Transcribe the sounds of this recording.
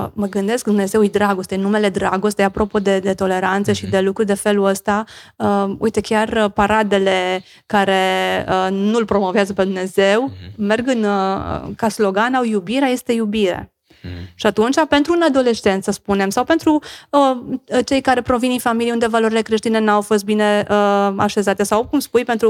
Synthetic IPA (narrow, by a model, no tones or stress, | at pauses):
məɡɨnd̪e̞skd̪umne̞ze̞wejd̪ɾaɡo̞st̪enume̞le̞d̪ɾaɡo̞st̪ejapɾo̞po̞d̪e̞d̪e̞t̪o̞le̞ɾant̪seʃid̪e̞lukɾud̪e̞fe̞luəst̪aəṵjt̪e̞kʲarpaɾad̪e̞le̞ | kaɾe̞ənulpɾo̞mo̞veazəpe̞d̪umne̞ze̞wmerɡɨn̰ | kaslo̞ɡanawjubiɾeaje̞st̪e̞jubiɾe̞̰ | ʃiat̪unt͡ʃape̞nt̪ɾunad̪o̞le̞ʃt͡ʃe̞nt̪səspune̞msawpe̞nt̪ɾuət͡ʃe̞jkaɾe̞pɾo̞vininfamilijund̪e̞valo̞ɾile̞kɾe̞ʃt̪ine̞nawfo̞s̬t̪̚bine̞əaʃe̞zat̪e̞sawkumspujpe̞nt̪ɾu